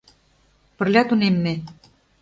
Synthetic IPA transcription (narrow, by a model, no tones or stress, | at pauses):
pə̆rlʲɑt̪unemːĕ